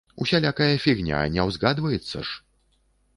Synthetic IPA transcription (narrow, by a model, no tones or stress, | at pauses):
ṵsʲalʲakɐjɐfʲiɣnʲa̰nʲɛwzɣad̪vɐjɛt̪sːɐ̰ʂ